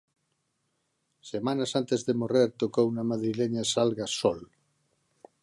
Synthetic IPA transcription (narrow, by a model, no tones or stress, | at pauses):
semanasant̪ezðemoreɾt̪okownamaðɾileɲasalɣasɔl